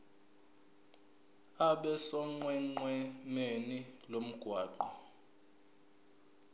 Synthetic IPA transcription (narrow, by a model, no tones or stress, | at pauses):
aɓɛsɔŋ͡ǀwɛŋ͡ǀwɛmenilom̩ɡ̥ʱwaːǃɔ